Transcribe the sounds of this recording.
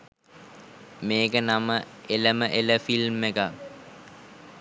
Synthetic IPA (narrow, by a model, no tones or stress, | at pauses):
meːɡənaməeləməʔeləfilmːeɡak